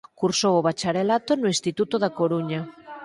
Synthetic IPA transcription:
kuɾsoβoβat͡ʃaɾelat̪onoĩst̪it̪ut̪oðakoɾuɲa

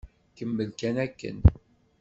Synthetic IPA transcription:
kəmːəlkænækːə̰n

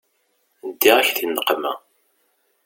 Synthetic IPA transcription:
əd̪ːiʁæçθinːəqːmæ̰

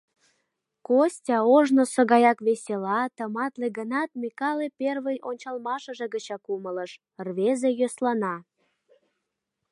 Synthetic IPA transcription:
kosʲtʲɑoʒnosəɣɑjɑkβesʲelɑt̪əmɑt̪leɣənɑt̪mikɑleperβəjʔonʲt͡ɕɑlmɑʃə̆ʒĕɣət͡ɕɑkumələʃ | rβezejøslɑnɑ

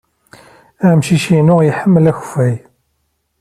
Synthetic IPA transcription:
æmʃiʃinʊʁjəħəmːəlæçfæj

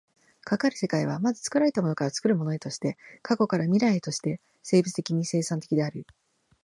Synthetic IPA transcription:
kakaɾɯ̟̥se̞kaiβ̞amazɨt͡sɨ̥kɯ̟ɾaɾe̞t̪amo̞nokaɾat͡sɨ̥kɯ̟ɾɯ̟mo̞no̞et̪o̞ɕi̥t̪e̞kako̞kaɾamʲiɾaet̪o̞ɕi̥t̪e̞ | se̞ːbɯ̟t͡sɨ̥t̪e̞kʲiɲ̟ise̞ːsãnt̪e̞kʲid̪e̞aɾɯ̟

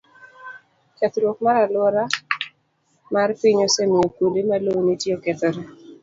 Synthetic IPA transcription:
kɛt̪ɾwok̚maɾalwɔɾa | marpiɲosemiokodemalonitjokɛt̪ɔɾɛ

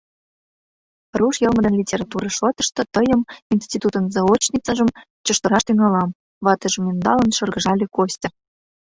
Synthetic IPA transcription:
ruʃjɤ̆lmə̆d̪ənlʲitʲeɾɑt̪uɾɤ̆ʃot̪ə̥̆ʃt̪ɤ̆t̪əjə̆minsʲt̪ʲit̪ut̪ə̆nzɑot͡ɕnʲit͡səʒəm | t͡ɕə̆ʃt̪ə̆ɾɑʃt̪yŋɑlɑm | βɑt̪ə̆ʒə̆mend̪ɑlə̆nʃɤ̆rɣə̆ʒɑlʲekosʲtʲɤ̆

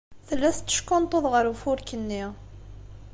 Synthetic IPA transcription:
θəlːæθt͡s̪ːə̥ʃkʊnt̪ˤoðˤʁəɾufʊɾkənːi

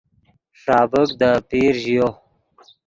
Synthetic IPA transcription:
sɑːbəkd̪əpiːɾʑijo

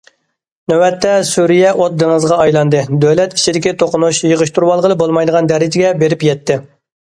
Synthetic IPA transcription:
nøwɛt̪ːɛsuɾijɛʔot̪̚d̪ɨŋəzʁɑɑjlˠɑnd̪ɨd̪øwlɛt̪i̥t͡ʃʰid̪ɪkʲit̪ʰoqʊnuʃjəʁəʃt̪ʰuɾwɑlˠʁəlˠɨbolˠmɑjd̪əʁɑnd̪ɛɾɪd͡ʒɪɡʲɛbeɾɪpjɛt̪ːɪ

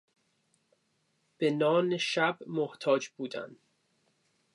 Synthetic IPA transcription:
b̥enɒːneʃæbmoht̪ʰɒːd͡ʒbuːd̪æ̰n

